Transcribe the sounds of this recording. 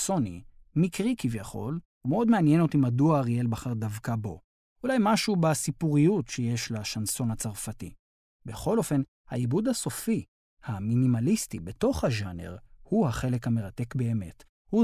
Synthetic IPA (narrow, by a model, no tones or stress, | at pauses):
so̞nḭmikʁikivjaχo̞̰l | umeo̞dmeanje̞no̞timaduaʁijelbaχaʁdavkabo̞ | ulajmaʃubasipuʁijutʃejeʃlaʃanso̞nhat͡saʁfatḭ | be̞χo̞lo̞fe̞n | haibud̪haso̞fi | haminimalistibe̞to̞χhaʒanḛʁhuhaχele̞khame̞ʁate̞kbe̞ːme̞t | hu